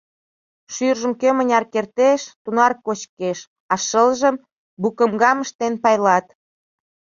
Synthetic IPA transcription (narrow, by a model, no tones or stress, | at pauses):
ʃyrʒə̆mkømənʲɑrkert̪eʃt̪unɑrkot͡ɕkeʃ | ɑʃəlʒəm | bukəmɡɑməʃt̪enpɑjlɑt̪